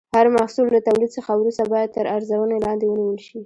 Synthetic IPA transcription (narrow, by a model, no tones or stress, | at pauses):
haɾmahsulːat̪awlid̪səxawɾust̪abɑjad̪̚t̪əɾaɾzawənelɑnd̪ewəniwəlʃi